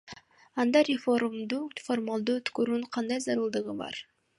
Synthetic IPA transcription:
ɑnd̪ɑɾʲɪfo̞rmd̪uːfo̞rmalˠd̪uːøt̪køɾynqʰɑnd̪ɑjzɑɾɯlˠd̪ɯʁɯbɑ̰ɾ

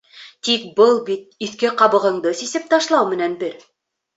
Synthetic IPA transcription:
t̪ik̚bɤlˠbit̪̚iθkɘqɑβɤ̆ʁɤ̆ɴd̪ɤsisɘp̚t̪ɑʃlˠɑwmɘ̆nænbɘɾ

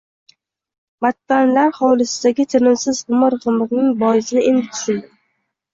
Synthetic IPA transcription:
bat̪ʰːanlaɾhɒwlɪsɪd̪aɡʲɪt͡ʃ̪ʰɪnɪmsɪzʁʊmɨɾʁɨmɨʁnɪŋbɒjɪsɪd̪aend̪ɪt̪ʰʊ̥ʃɪld̪ɪ

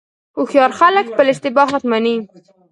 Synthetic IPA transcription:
uxjɑɾxalək̚pəlɪʃt̪ɪbɑɦat̪mani

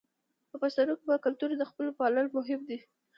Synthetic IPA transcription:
pəpast̪aɾukbakalt̪uɾd̪əxpəlopɑlalmʊɦɪmd̪i

